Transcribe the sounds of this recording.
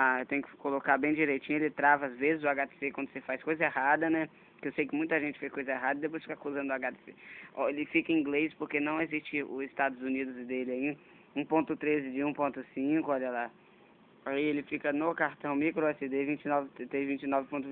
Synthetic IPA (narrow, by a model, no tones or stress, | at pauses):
aewt̪ẽɲʊkɪ̥kolokabẽj̃d͡ʒiɾejt͡ʃĩɲʊelɪt̪ɾavɐazvezɪzʊaɡat̪e̥sekwɐ̃nd̪ʊsefajskojzɐehad̪ɐnɛ | kewsejkɪmũj̃t̪ɐʒẽnt͡ʃɪ̥fejskojzɐeɦad̪ɐɪd̪epojsfikakuzɐ̃nd̪ʊaɡat̪e̥seɔelɪfikɐ̃ĩɡlejspoɾkenɐ̃w̃ezist͡ʃɪʊ̰ɪst̪ad̪ʊzunid̪ʊzd̪elɪai | ũpõnt̪ʊt̪ɾezɪd͡ʒɪũpõnt̪ʊsĩkʊɔʎɐla | aielɪfikɐnokaɾt̪ɐ̃w̃mikɾoɛsɪd̪evĩt͡ʃɪnɔvɪt̪ɾezvĩnt͡ʃɪnɔvɪpõnt̪ʊ